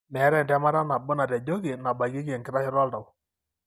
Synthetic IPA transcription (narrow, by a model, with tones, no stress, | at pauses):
mɛ˨˦ɾɛ˨ndɛ˨˦ma˦ɾa˦na˨bʊ˦na˨tɛ˨d͡ʒo˦ɡi˨na˨ba˨ɡi˦ke˨ŋkɪ˦ɾa˦hɪ˦ɾɔ˦lda˨w